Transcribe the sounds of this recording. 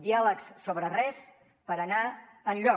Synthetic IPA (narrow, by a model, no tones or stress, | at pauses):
d̪ialəkssoβɾərɛs | pəɾəna | ənʎɔ